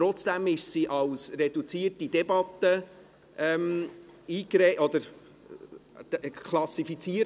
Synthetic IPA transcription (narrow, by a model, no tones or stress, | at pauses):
ɾɔt͡sd̥æmɪʃsiʔɑwsredut͡siːərtid̥ɛbɑt̪ːə | ʔɛmiːkɾeɔd̪əɾ | kʰlɑsifit͡siə